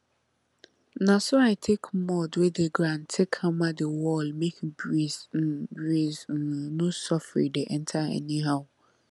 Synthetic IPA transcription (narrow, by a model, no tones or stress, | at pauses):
nãsɔaɪtʰekʰmɔdwedeɡɾãntʰekʰãmadewɔlmekbɹizbɹiznõsɔfɹḭdeʔɛ̃ntʰaɛ̰nĩɦaʊ